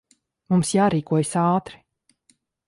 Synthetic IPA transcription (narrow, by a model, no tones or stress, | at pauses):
mumsjaːɾiːkuɔjsaːt̪ɾi̥